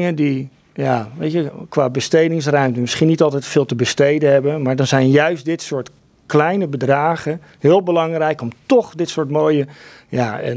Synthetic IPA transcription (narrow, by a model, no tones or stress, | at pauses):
ŋəndi | jaːʋejtəkʋaːbəstejdɪŋs̬rœɥmtənmɪsχinitɑlˠtɛjtfɪːlˠtəbəstejdənɦɛbənmaːɹdɑnzɛjnjœɥst̚dɪtsʊːɹt | klɛjnəbədraːχən | ɦɪːlˠbəlɑŋrɛjkɔmtɔχdɪtsʊːɹtmoːjə | jaːə̰